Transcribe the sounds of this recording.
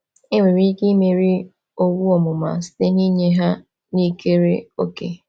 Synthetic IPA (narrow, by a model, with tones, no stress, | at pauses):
e˦ŋwe˨ɾi˦ki˦me˨ɾi˦ | o˦wu˦ɔ˨mʊ˨ma̰˨si̥˦te˦ni˦ɲe˦ɦa˦ | ni˦ke˦ɾe˦o˦kḛ˨